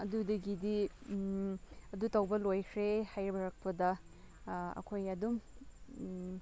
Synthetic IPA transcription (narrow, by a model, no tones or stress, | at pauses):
ɐdudɐɡidi | ɐdutɐwbɐlojkʰɾehajɾibɐɾɐk̚pɐdɐ | ɐ̰kʰojɐdum